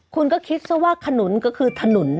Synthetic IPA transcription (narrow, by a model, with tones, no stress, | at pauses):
kʰu˧nkɔː˥˩kʰi˦˥t̪̚sa˥˩waː˥˩k̪ʰa˧no˩˦nkɔː˥˩kʰɯː˧t̪ʰa˧no˩˦n